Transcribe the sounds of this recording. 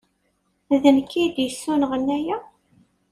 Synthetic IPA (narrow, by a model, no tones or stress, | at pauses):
ðənkːid̪jəsːunəʁənːæjæ